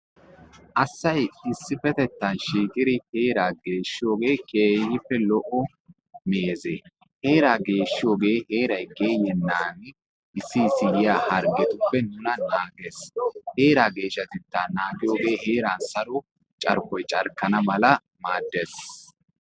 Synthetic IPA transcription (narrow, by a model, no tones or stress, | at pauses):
ʔɐsːɐjɪsːɪfɛt̪ɛt̪ːɐnʃiːkʼɪd̪ɪhe̞ːɾaːɡe̞ːʃːɪjo̞ːɡe̞ːkeːjɪpːɛlɔʔɔ | meːze | heːɾaːɡe̞ːʃːɪjo̞ːɡe̞ːhe̞ːɾɐjɡeːjɛnːaːnɪ | ʔɪsːɪsɪjɪjaːhɐɾɡɛt̪ʊpːɛnʊnɐnaːɡesheːɾaːɡe̞ːʃːɐt̪ɪt̪ːaːnaːɡɪjo̞ːɡe̞ːhe̞ːɾaːnsɐɾɔ | t͡ʃʼɐ̰ɾkɔjt͡ʃʼɐ̰ɾkːɐnɐmɐlɐ | maːd̪ːɛs